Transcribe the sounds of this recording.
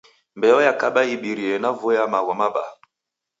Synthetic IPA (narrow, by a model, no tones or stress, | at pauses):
mbɛɔjakaɓaiɓiɾiɛnavɔjamawɔmaba̰